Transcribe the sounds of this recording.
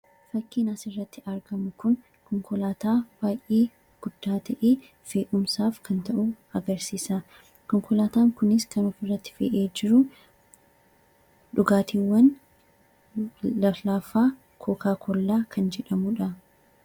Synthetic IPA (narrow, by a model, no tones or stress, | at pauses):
fɐkːiːnasɪrːɐt̪ːɪʔɐɾɡɐmʊkʊn | kɔŋkɔlaːt̪aːb̥aːjʔeː | ɡ̥ʊd̪̥ːaːt̪ʰɐʔeː | feːʔʊmsaːfkʰɐnt̪ɐʔʊ | ɐɡɐɾsiːsa | kɔŋkɔlaːt̪aːŋkʊnɪskɐnɔfɪrːɐt̪ːɪ̥fḛːʔeːd͡ʒɪɾʊ | ᶑʊɡaːt̪iːwːɐn | lɐflaːfaː | kʰɔːkaːkʰɔlːaːkʰɐnd͡ʒɛᶑɐmʊᶑɐ